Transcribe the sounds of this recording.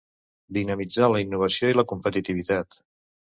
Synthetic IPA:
d̪inəmid͡zaləinːuβ̞əsioiləkumpət̪it̪iβit̪at̪

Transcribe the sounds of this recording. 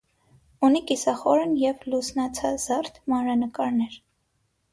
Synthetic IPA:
unikisɑχɔɾənjɛvlusnɑt͡sʰɑzɑrt̪ʰmɑnɾɑnəkɑɾnɛɾ

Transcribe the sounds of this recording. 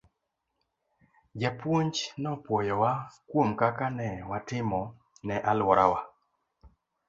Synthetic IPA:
d͡ʒapwoɲd͡ʒnɔpwɔjɔwakwomkakanɛwatɪmɔ | nɛʔalwɔɾawa

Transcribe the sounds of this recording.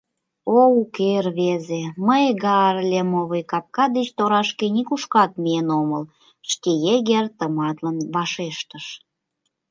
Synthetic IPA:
oukerβezeməjɣɑrlʲemoβəjkɑp̚kɑd̪et͡ɕt̪oɾɑʃkenikuʃkɑt̪̚mienoməl | ʃkejeɣert̪əmɑt̪lənβɑʃeʃt̪əʃ

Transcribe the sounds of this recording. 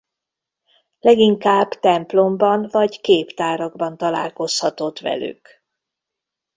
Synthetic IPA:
lɛɡiŋkaːbt̪ɛmplo̞mbɒnvɒɟkeːpt̪aːɾɒɡbɒnt̪ɒla̰ːlko̞shɒt̪o̞t̪ʋɛ̰ly̰k

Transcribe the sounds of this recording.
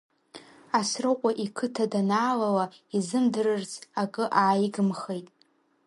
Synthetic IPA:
asrɨqʷʼaʔikʰɨtʰadanaːlalaizɨmdɨrɨrt͡sʰʼakʼɨʔaːjɡɨmχejtʼ

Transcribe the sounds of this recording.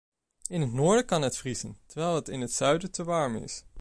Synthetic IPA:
ɪnɦətnoːɹdəkɑnɦətfrizəntəɹʋɛjlˠɦətɪnɦətsœɥdətəʋɑɹmɪ̰s

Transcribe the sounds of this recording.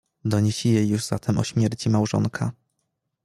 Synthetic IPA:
d̪ɔɲeɕijejːuʐz̥a̰t̪ʰɛmʔɔ̰ɕmʲjɛɾt͡ɕimawʐɔ̰ŋkʰa̰

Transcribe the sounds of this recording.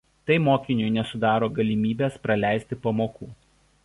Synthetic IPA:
t̪ɐɪmoːkʲɪnʲʊjnʲɛsʊd̪ɑːɾoːɡɐlʲɪmʲiːbʲeːspɾɐlʲæˑɪsʲt̪ʲɪpɐmoːkuː

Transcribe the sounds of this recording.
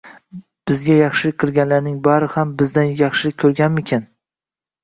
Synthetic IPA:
b̥ɪzɡʲajɑχʃɪlɪk̚ʲqʰɨlˠɡʲanlaɾnɪŋbaɾɪhambɪzd̪anjɑχʃɪlɪk̚ʲkʰːɵɾɡʲanmɪkʲʰan

